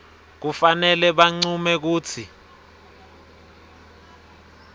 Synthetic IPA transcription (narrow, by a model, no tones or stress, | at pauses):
k̬ufanɛlɛɓaŋ͡ǀumɛk̬uːt͡sʰi